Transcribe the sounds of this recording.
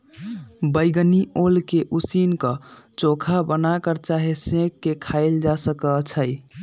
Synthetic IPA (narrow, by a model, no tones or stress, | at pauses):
bəɪɡniolkeʔusinkət͡ʃokʰabənakəɾt͡ʃaɦesẽkːekʰaɪld͡ʒasəkət͡ʃʰəj